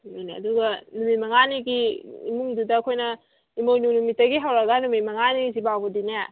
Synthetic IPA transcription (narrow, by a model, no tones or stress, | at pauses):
ojneɐ̰duɡɐnumimɐŋaniɡiḭmuŋdudɐːkʰojnɐ | imownunumitːɐɡiɦawɾɐɡɐnumimɐŋanizibawbɐdina